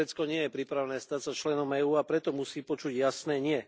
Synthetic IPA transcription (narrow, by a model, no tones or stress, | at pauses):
ɛt͡skɔɲɪɛjɛpɾiːpɾaʋnɛːst̪acsat͡ʃlɛnɔmɛːuːapɾɛt̪ɔmusiːpɔt͡ʃuɟjasnɛːɲɪɛ